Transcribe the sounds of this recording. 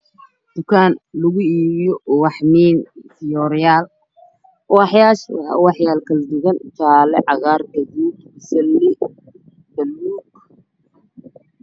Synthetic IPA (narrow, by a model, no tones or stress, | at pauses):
d̪̥ʊkʰaːnlʊɣʊiːβɪjɔwɑħmiːntɪjɔːɾjaːl | ʔɔɑħjaːʃwwɑħjaːlkʰɐld̪ʊɣɐnʊt͡ʃʰaːlɛ̰ʕɑɣaːrɡɐd̪uːd̪ | ɪsɐlːɪ | b̪̥ɐlːuːɡ